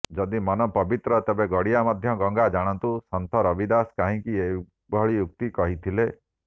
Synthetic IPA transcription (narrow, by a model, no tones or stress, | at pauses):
d͡ʒɔd̪imɔnɔpɔbit̪ɾɔt̪ebeɡɔɽijamɔd̪ʱjɔɡɔŋɡad͡ʒaɽ̃ɔnt̪usɔnt̪ʰɔɾɔbid̪askaɦĩkie | bʱɔɭijuk̚t̪ikɔɦit̪ʰile